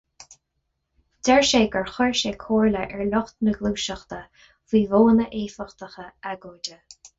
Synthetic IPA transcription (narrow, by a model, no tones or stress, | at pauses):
d̥ɛɹʃeːɡəɹxɔɹʃeːkʰoːɹləʔɛɹlʊxt̪nəɡluːʃəxt̪ə | viːvoːnəʔeːfəxt̪əxəaɡoːdə